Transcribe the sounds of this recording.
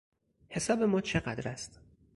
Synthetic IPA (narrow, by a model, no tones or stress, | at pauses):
he̞sɒːbe̞mɒːt͡ʃʰe̞ɢæd̪ɾæst̪